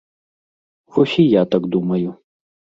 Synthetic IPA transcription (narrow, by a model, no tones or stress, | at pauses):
vɔsʲijat̪aɡd̪umɐju